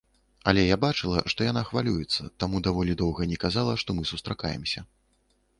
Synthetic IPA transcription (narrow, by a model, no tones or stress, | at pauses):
ɐlʲɛjabat͡ʂɨlˠɐ̰ʂt̪ɔjan̪axvalʲujɛt̪sːɐ̰t̪amud̪avɔlʲid̪ɔwɣɐnʲɛkazalˠɐʂt̪ɔmɨsust̪ɾaka̰jɛ̰msʲɐ